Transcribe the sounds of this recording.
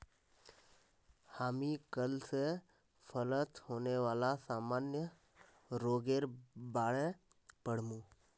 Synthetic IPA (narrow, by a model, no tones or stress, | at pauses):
haːmikəlse | pʰələt̪hoːneʋaːlasaːmaːnjə | ɾoːɡeːɾbaːɽe | pəɽ̤mũː